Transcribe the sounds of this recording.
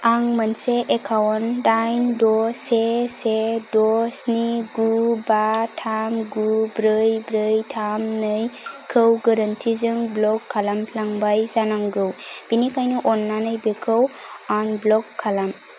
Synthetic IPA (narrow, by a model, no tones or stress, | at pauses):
aŋmənseʔekʰawɔndajmdɔsesedɔsniɡubatʰamɡubɾɯjbɾɯjtʰamnɯjkʰɯwɡɯɾəntʰizɯŋblɔkʰːalampʰlaŋbajzanaŋɡɯw | b̥inikʰajnuʔɔnːanɯjbekʰɯw | anblɔkʰːalam